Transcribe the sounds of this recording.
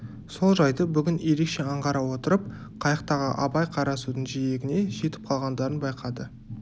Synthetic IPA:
so̞lˠʒɑjd̪əbʏɡʲɪnje̞ɾe̞kʃe̞ɑɴʁɑɾɑwo̞t̪əɾəp̚ | qʰɑjəqt̪ɑʁə̰ʔɑbɑjqʰɑɾɑsud̪əɴʒije̞ɡʲɪne̞ʒe̞t̪ɪ̥p̚qʰɑlˠʁɑnd̪ɑɾənbɑjqʰɑd̪ə

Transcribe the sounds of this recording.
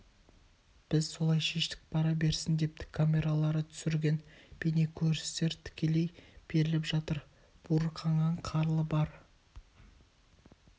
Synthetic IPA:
b̥ɪzso̞lˠɑjʃe̞ʃt̪ɪ̥k̚pʰɑɾɑbe̞ɾsɪnd̪e̞p̚t̪ɪ̥kʰːamʲe̞ɾalˠɑɾət̪ʰʏ̥sɪɾɡʲe̞nb̥enekʲʰɵɾɪst̪e̞ɾt̪ʰɪ̥kʲe̞le̞jb̥e̞ɾɪlɪpʒɑt̪əɾ | b̥uɾəqʰɑɴɑɴqʰɑɾlˠəbɑɾ

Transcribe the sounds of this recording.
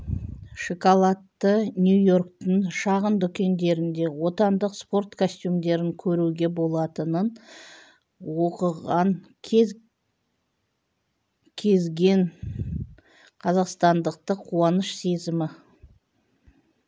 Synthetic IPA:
ʃokolˠɑt̪ːənʲjujo̞rkt̪ɪɴʃɑʁənd̪ʏkʲe̞nd̪e̞ɾɪnd̪e̞wo̞t̪ɑnd̪əqspo̞rt̪kʰosʲt̪ʲjumd̪e̞ɾɪŋkʲʰɵɾuɡʲe̞bo̞lˠɑt̪ənən | wo̞qəʁɑŋʰ | kʲʰe̞zɡʲe̞ŋ | qʰɑzɑqst̪ɑnd̪əq̚t̪əqʰːuɑnəʃse̞zɪmɪ

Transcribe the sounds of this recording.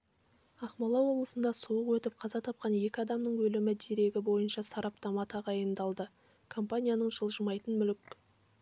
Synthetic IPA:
ɑχmɑlˠɑwo̞blˠəsənd̪ɑsuəqwɵt̪ɪp̚qʰɑzɑt̪ʰɑp̚qɑnje̞kʲɪɑd̪ɑmnəɴwɵlɪmɪd̪e̞ɾe̞ɡʲɪbo̞jənʃɑsɑɾɑpt̪ɑmɑt̪ʰɑʁɑjənd̪ɑlˠd̪ə | kʰo̞mpanʲijanəɴʒəlˠʒəmɑjt̪ənmʏlɪk

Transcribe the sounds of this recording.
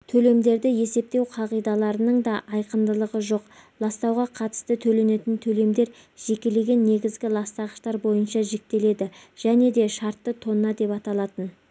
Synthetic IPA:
t̪ʰɵle̞md̪e̞ɾd̪ɪje̞se̞p̚t̪e̞wqʰɑʁijd̪ɑlˠɑɾənəɴd̪ɑʔɑjqənd̪əlˠəʁəʒo̞qlˠɑst̪ɑwʁɑqʰɑt̪ə̥st̪ət̪ʰɵle̞ne̞t̪ɪnt̪ʰɵle̞md̪e̞ɾ | ʒ̥e̞kʲe̞le̞ɡʲe̞nːe̞ɡʲɪzɡʲɪlˠɑst̪ɑʁəʃt̪ɑɾbo̞jənʃɑʒek̚t̪e̞le̞d̪ɪʒ̥æne̞d̪e̞ʃɑɾt̪ːət̪ʰo̞nːɑd̪e̞pɑt̪ɑlˠɑt̪ən

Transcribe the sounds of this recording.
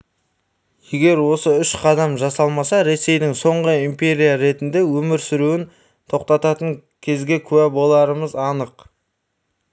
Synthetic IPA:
je̞ɡʲe̞ɾwo̞səʏʃqʰɑd̪ɑmʒɑsɑlˠmɑsɑɾe̞se̞jd̪ɪŋso̞ɴʁəimpʲe̞ɾʲijaɾe̞t̪ɪnd̪e̞wɵmɪɾsʏɾuwɪn | t̪ʰo̞q̚t̪ɑt̪ɑt̪əŋ | kʲʰe̞zɡʲe̞kʲʰʉæbo̞lˠɑɾəməzɑnəq

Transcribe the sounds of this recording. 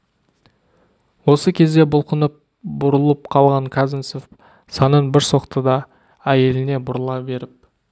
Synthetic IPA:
wo̞səkʲʰe̞zd̪e̞bʊlˠqənəp̚ | bʊɾəlˠəp̚qʰɑlˠʁɑɴkʰazɪnsof | sɑnəɴbɪɾso̞qt̪əd̪ɑ | æje̞lɪne̞bʊɾəlˠɑbe̞ɾɪp̚

